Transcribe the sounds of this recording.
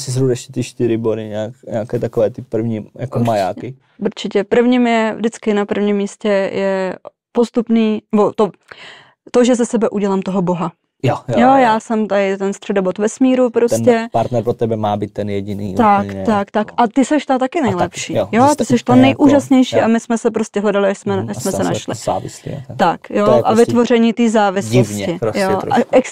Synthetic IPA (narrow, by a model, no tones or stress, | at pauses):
sɪzɾuɛʃcɛt̪ɪʃt̪ɪɾɪbodɪɲɛːkɲɛ̰akɛːt̪akovɛːt̪ɪpr̩vɲijakoɾmaja̰ːkɪ | uɾt͡ʃɪcɛpr̩vɲiːmjɛvdɪt͡skɪnapr̩vɲimːiːscɛjɛ | post̪upniːnɛbo̞t̪o | t̪oʒɛzasɛbɛʔuɟɛlamt̪oɦoboɦa | jojjojaːsɛmt̪aɪt̪ɛnst̪r̥ɛdobot̪vɛsmiːɾupɾosncɛpaɾt̪nɛɾpɾot̪ɛbɛmaːbiːt̪tːɛnjɛɟinḭːt̪att̪akt̪akʔat̪ɪsɛʃt̪at̪akɪnɛjlɛpʃiːjot̪ɪsɛʃt̪anɛjʔuːʒasɲɛjʃiːamɪsmɛsɛpɾoscɛɦlɛdalɪaʃsmɛjaʃsmɛsɛnaʃlɪ̰a̰ɪslḭt̪akjoʔavɪt̪vorɛɲiːt̪iːzaːvɪsɪsvɲɪɾojoʔaɛk